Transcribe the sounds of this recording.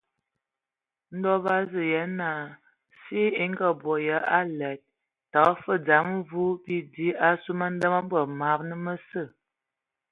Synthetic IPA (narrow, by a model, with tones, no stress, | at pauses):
n̩˦dɔ˦ba˦zə˨jɛ˨˦na˨ | si˦e˦ŋ˦ɡə˦bɔ˨jə˨˦a˦lɛ˨t̚ | ta˨ɣə˦fə˦d͡za˨˦mvu˦bi˦di˦a˦su˦ma˦n˦də˦ma˦bə˨ma˨˦ɾnə˦mə˦sə˦˨